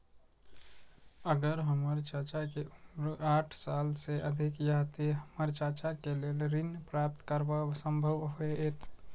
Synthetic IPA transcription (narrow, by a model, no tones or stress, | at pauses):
əɡəɾɦəməɾt͡ʃət͡ʃakeaʈʰsalseʔəd̪ʱikjaɦt̪iɦəməɾt͡ʃat͡ʃakelelɾinpɾap̚t̪kəɾbəsəmbʱəʋɦoeet̪